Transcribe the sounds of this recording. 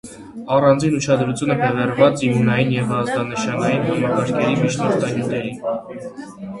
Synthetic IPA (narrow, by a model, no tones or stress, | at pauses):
ɑrɑnd͡zinut͡ʃʰɑd̪ɾut͡sʰjunəbʰɛvɛrvɑt͡simunɑjinjɛvɑzd̪ɑnəʃɑnɑjinɦɑmɑkɑɾkʰɛɾimit͡ʃʰnɔɾt̪ʰɑɲut̪ɛɾin